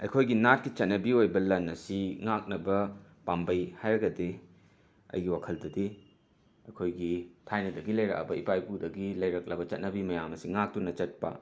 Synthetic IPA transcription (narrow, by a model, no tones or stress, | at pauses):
ɐ̰jkʰojɡinat̚kit͡ʃɐt̚nɐbiojbɐlɐnɐsiŋak̚nɐbɐpambɐjhajɾɐɡɐdi | ɐ̰jɡiwakʰɐldɐdi | ɐjkʰojɡitʰajnɐdɐɡilɐjɾɐ̰k̚ɐ̰bɐipajpudɐɡilɐjɾɐk̚lɐbɐt͡ʃɐt̚nɐbimɐjamɐsiŋak̚tunɐt͡ʃɐt̚pɐ̰